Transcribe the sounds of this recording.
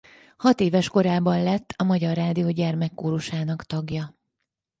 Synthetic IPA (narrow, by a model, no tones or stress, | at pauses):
hɒt̪eːvɛʃko̞ɾaːbɒnlɛt̪ːɒmɒɟɒrːaːd̪ijoːɟɛrmɛkːoːɾuʃaːnɒkt̪ɒɡjɒ